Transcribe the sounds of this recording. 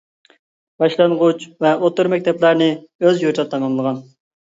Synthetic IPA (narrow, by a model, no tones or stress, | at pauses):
b̥ɑʃlˠɑnʁʊt͡ʃvɛot̪ɨɾmɛk̚ʲt̪ʰɛplæɾnɪøzjut͡ʃ̪ʰɑt̪ʰɑmɑmlˠəʁɑn